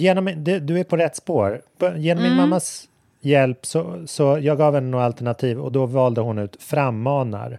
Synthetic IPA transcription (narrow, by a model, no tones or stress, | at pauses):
jeːnɔmːd̪ɛd̪ɵæɾpʰɔɾɛt̪ːspoːɾpʰjeːnɔmːɪnmamːas | jɛlpsɔsɔjɑːɡɑːvɛnːənoːalt̪ɛɳat̪ʰiːvɔ̰d̪ɔvɑːld̪əhʊnʉ̟ːt̪fɾamːɑːna̰ɾ